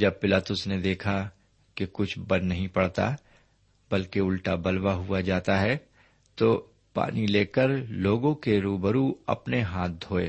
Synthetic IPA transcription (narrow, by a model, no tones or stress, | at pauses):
d͡ʒɐb̚pɪlaːt̪ʊsned̪eːkʰa | kekʊt͡ʃʰbɐnnɐɦĩpɐɽt̪a̰ | bɐlkeʊlʈabɐlwaɦuad͡ʒaːt̪aɦɛ | t̪oː | pa̰ːnileːkəɾloːɡõkeɾuːbəɾuɐ̰pneɦãːt̪̚d̪ʱoːḛː